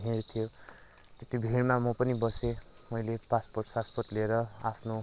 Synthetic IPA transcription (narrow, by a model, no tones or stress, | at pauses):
ɦeɾut̪ʰijo | t̪et̪ibʱiɽmamʌpʌnibʌse | mʌjlepasporʈsasporʈleɾʌa̰pʰno